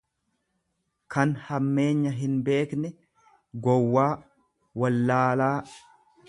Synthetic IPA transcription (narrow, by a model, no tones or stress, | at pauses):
kɐnhɐmːe̞ːɲːɐɦɪnbe̞ːknɛ | ɡɔwːaː | wɐlːaːlaː